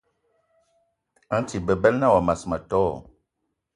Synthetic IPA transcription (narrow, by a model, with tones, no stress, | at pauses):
a˨˦n˦ti˨bə˨bɛ˦lna˦˨wa˨ma˨sma˨tɔː˦